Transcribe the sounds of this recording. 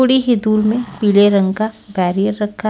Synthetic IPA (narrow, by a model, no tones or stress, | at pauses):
oːɽiɦɪd̪uːɾmẽpiːleɾɐ̃ŋɡkabɛːɾijəɾːɐkʰːa